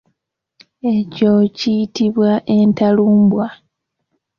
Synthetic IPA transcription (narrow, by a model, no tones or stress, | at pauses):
e̞cocijitiβwaʔe̞ntaluːmbwa